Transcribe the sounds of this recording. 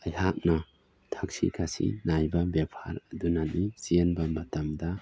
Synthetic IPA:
ɐjɦak̚nɐ | tʰak̚sḭkʰasḭnajbɐbepʰa̰ɾɐdunanisienbɐmɐtɐmdɐ

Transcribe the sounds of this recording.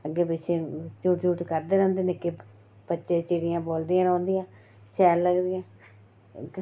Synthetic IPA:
əɡːeːpɪt͡ʃʰeːt͡ʃuːʈt͡ʃuːʈkəɾd̪eːɾɛ̃ːnd̪eːnɪkːeː | bətːʃeːt͡ʃeːɾɪjãːboːld̪ijãːɾɔ̃ːnd̪ijãː | ʃɛːɾləɡd̪ijãː

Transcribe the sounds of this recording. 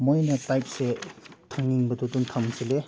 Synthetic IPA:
mojnɐtajp̚setʰaŋniŋbɐdoduntʰamsile

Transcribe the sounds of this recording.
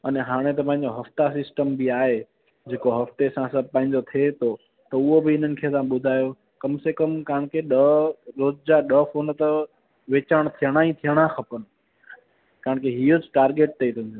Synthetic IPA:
ɐnɦaːɽ̃et̪̬ɐpãɦɪ̃ɲd͡ʑoɦɐft̪asɪsʈəmbɪaːɦe | d͡ʑeːkoɦɐft̪esãsɐb̚ʱpɐ̃ɦɪ̃ɲd͡ʑot̪ʰet̪ʰo | t̪ɐʊɦobɪɪn̤ənɪ̆kʰeːt̪ãɓʊd̪ʱaːjo | kɐmsekəmkaɦəɽ̃kʰeɗɐɾoːzd͡ʑaɗəfoːnt̪ɐ | ʋeːt͡ɕəɽ̃t̪ʰijəɽ̃aĩt̪ʰijəɽ̃axɐpən̆ | kaɦəɳ̃kʰeɦiːod͡ʑɪʈaːɾɡeːʈ̚t̪ʰɐit̪ʰʊnd̪iː

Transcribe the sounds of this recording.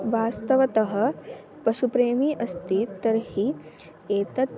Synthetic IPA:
ʋaːst̪ɐʋɐt̪ɐɦɐ̆ | pɐʃupɾeːmiʔɐst̪it̪ɐɾhi | eːt̪ɐt̪̚

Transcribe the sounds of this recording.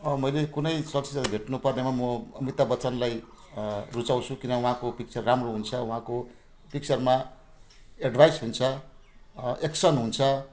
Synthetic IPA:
ʌmʌjlekunʌjsʌk̚t͡sʰisat̪ibʱeʈnupʌrnemamʌʌmit̪abʌt͡sʌnlaj | rut͡saw̃t͡sʰukinʌwuɦãkopik̚t͡sʰʌrːamroɦunt͡sʰʌwuɦãko | pik̚t͡sʰʌrma | eɖbʱajsɦunt͡sʰʌ | eksʌnɦunt͡sʰʌ

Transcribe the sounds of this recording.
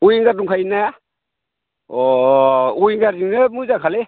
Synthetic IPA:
ujŋɡaduŋkʰajna | ɔ | ujŋɡadiŋnɯmuzakʰale

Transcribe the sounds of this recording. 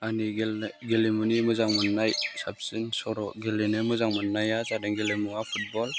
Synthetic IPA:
aniɡeɡelimunimɯzaŋmɯnːajsap̚sinsɔɾɔɡelenemɯzaŋmɯnːajazadɯŋɡelimuapʰut̚bɔl

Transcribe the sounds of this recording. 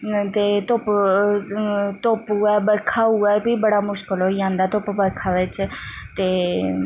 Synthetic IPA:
t̪eːt̪op | t̪oːpuɛːbəɾkʰaːuɛːbʱiːbəɽaːmʊʃkəloijãːnd̪aːt̪oːpbəɾkʰaːʋɪt͡ʃt̪eː

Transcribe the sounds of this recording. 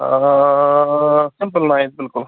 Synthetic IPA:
sɪmpəlnaːjd̪̚bɪlkʊl

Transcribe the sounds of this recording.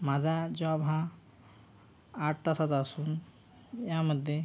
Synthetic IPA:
mad͡zʱad͡ʑoabã | ʈʰt̪asat̪asuːn | jaməd̪ʱːje

